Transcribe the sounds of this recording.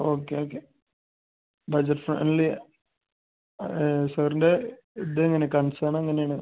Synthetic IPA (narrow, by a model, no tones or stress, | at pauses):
oːkːeoːkːe | bɐd͡ʑɐʈfrɐ̰nli | sɐːɾinde | id̪eiŋːɐnekɐɳsaːɳɐeŋːɐnejaːɳɨ